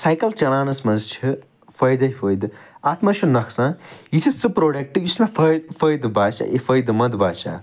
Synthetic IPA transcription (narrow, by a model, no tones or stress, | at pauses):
saːjkɐlt͡ʃɐɽaːnɐsmɐnzt͡ʃʰi | fɐjd̪ɐifʰɐjd̪aːt̪ʰmɐʃʰunɐkʰsãjit̪ʰist͡sɨpɾoːɖɐk̚ʈɨjismẽfʰɐjd̪fɐjd̪baːʃa̰ʔifʰɐjd̪mɐd̪baːʃa̰ː